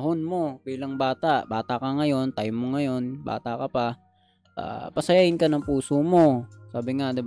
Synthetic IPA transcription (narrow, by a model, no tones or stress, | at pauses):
ɦonmo̞biːlɐŋbaːt̪aʔbaːt̪akɐŋɐjo̞nt̪ajmːoŋɐjo̞nba̰ːt̪ɐkɐpa | ʔa̰ːpɐsɐjaːhɪnkɐnɐŋpuːsomo̞saːbɪŋad̪ɪb